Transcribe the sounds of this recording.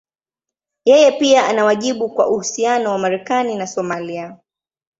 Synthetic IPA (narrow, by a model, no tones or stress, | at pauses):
jɛjɛpiaʔanawaʄiɓukwa̰ʔuhusianɔwamaɾɛkaninasɔmalia